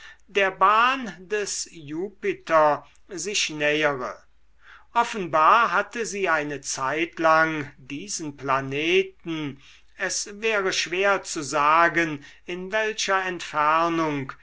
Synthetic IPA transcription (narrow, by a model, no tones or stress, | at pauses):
deːɐbaːndɛsjuːpɪtɐ | zɪʃnɛːəʁə | ʔɔfənbaːɐɦatəziːaɪnət͡saɪtlaŋdiːzən̩planeːtn̩ | ɛsvɛːʁəʃv̥eːɐt͡suzaːɡən | ɪnvɛlʃɐɛntfæɐnʊŋk